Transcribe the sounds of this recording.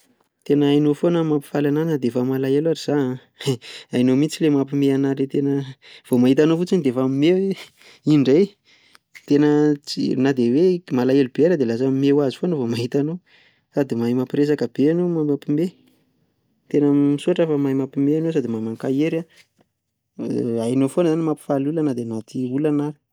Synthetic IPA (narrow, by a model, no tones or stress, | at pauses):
t̪enəajnofonəmapi̥falananad̪efəmalaelaɾiz̥an | ajnomit͡silemapimeanaɾet̪enəv̥omaɦit̪anofut͡sinid̪efamime | iɳɖ͡ʐej | t̪enət͡sinad̪ewemalaelubeɾəd̪elas̬ammewazi̥fonəvomaɦit̪ano | sad̪imajmapiɾes̬akəb̥eanomamapime | t̪enəmmisuaʈ͡ʂəfəmajmapimeanowsad̪imamaŋkajeɾa | ajnofonəzanimapi̥falulanad̪enat̪ʰiulanaɾi̥